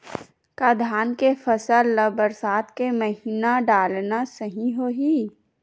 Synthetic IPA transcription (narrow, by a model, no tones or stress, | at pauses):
kad̪ʱaːnkefɐsəlːɐbəɾsaːt̪keməɦiːnaɖaːlnasəɦĩɦoːɦiː